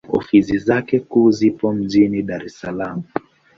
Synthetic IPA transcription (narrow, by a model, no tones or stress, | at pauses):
ɔ̰fisizakɛkuːzipɔm̩ʄiniɗaɾɛsalam̩